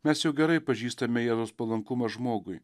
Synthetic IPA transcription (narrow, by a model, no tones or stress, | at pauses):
mʲɛsjɛʊɡʲɛɾɐɪpɐʒʲiːst̪ɐmʲɛjɛːzoːspɐlˠɐŋkʊmɐʒmoːɡʊɪ